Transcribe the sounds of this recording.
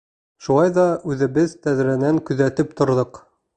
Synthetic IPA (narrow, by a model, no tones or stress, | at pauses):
ʃulˠɑjðɑʉðɘ̆βɘðt̪æðɾænæŋkɵ̆ðæt̪ɘp̚t̪ŏɾðɤq